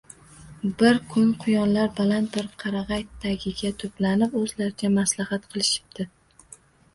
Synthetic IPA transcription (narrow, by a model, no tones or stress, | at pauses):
bɪɾkʰʊnqʰʊjɒnlaɾbalant̪̚bɪɾqʰɑɾɑʁɑjt̪ːaɡʲɪɡʲat̪ʰɵplanɪpɵzlaɾɪd͡ʒʰamaslahat̪qʰɨlˠɪʃɪ̥b̚d̪̥ɪ